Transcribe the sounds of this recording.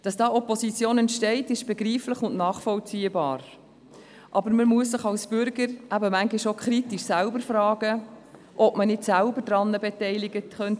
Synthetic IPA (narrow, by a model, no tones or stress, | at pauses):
d̥ɑsd̥ɑːɔpɔsit͡sjoːnɛntʃtɛɪtɪʃb̥ɛɡɾiːflɪχʊnʔnɑːχfɔlt͡siːəbɑ̰ːɾ | ʔɑbəɾməmuəssɪχɑlsb̥ʏɾɡəɾʔæbəmæŋɡɪʃokʰχɾitiʃsælbəɾfrɑːɡə | ʔɔb̥mənɪtsælbəɾdɾɑnːəbɛtɛɪlɪɡətχœnt